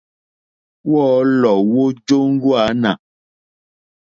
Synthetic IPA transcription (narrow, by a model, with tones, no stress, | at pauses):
wɔː˦lɔ˨wo˦d͡ʒo˦ŋ̩˦ɡwa˨˦na̰˨